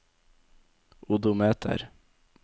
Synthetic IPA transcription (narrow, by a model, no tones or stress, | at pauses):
ʊd̪ʊmeːt̪ʰə̰ɾ